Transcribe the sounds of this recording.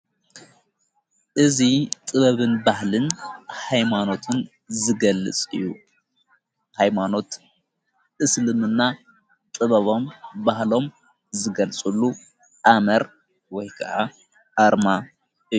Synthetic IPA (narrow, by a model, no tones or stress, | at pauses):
ʔɨzit̪ʼɨβɐβɨnbahlɨnhajmano̞t̪ʰɨn | zɨɡɐlːɨ̰t͡sʼɨ̰jːu | hajmano̞t̪ | ʔɨslɨmɨnːa | t̪ʼɨβɐβo̞mbahlo̞m | zɨɡɐlt͡sʼulːu | ʔamɐɾ | wɔjkʰɐʔa | ʔaɾma | ɨjːu